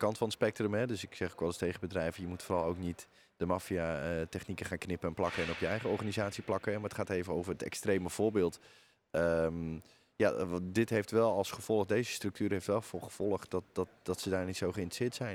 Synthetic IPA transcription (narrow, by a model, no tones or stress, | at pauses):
əkɑntfɑnəspɛk̚trəmɦɛdøsɪksɛχokʋɑlˠəstejχəbədrɛjvəjəmutforɑlˠowknit | d̥əmafijaətɛχnikəχaːnknɪpəɛnplɑkəɛnɔpjəɛjχəɔɹχaːnizaːtsiplɑkəɦɛmaətχaːtejvənowvərətɛ̰kstrejməv̥ʊːɹbɪːlˠt | əm | jadɪtɦejftʋɛlˠɑlˠsχəv̥ɔlˠəχdejzəstrɵk̚tyːɾɦejftʋɛlˠfʊχəv̥ɔlˠəχtdɑt̚dɑtdɑtsədaːnitsowχəɪntrə̥sɪːətsɛj